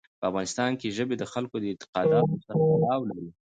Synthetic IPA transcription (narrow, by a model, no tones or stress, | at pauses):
pəafɣɑnɪst̪ɑnkeʒəbed̪əxalkod̪əɪnt̪ɪ̥qɑd̪ɑt̪osaɾapalɑwlaɾi